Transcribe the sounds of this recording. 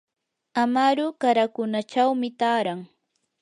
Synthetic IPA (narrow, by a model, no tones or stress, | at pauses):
amaɾʊkaɾakʊnat͡ʃawmɪt̪aːɾaŋ